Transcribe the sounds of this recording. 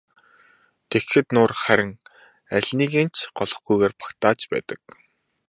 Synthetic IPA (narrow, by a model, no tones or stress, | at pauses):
t̪ʰexxɘ̆t̪nʊːrχæɾʲɪ̆ŋ | æɮʲniːɣeːnt͡ɕʰɢɔɮɞ̆χɡujɣeːrpḁkt̪aːt͡ɕpæ̰ːt̪ə̥̆k̚